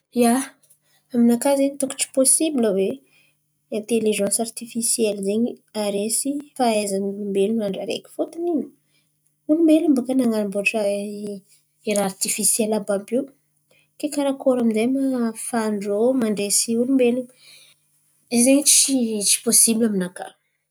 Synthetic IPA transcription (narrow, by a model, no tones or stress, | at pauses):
ja | aminakazeɲit̪uku̥ʈ͡ʂi̥posibiləve | ẽnt̪eliʒãnsart̪ifisiɛlzeɲiaɾesifaezanumbelumaɳɖ͡ʐaɾḛkʲi̥fot̪anin | ulumelumbakanaŋalimboɾaʈ͡ʂə | eɾaart̪ifisjɛlababu | kekaɾakoɾaminzajmafaɳɖ͡ʐomaɳɖ͡ʐesiulumbelum | ezeɲit͡sit͡ʃi̥posibilaminaka̰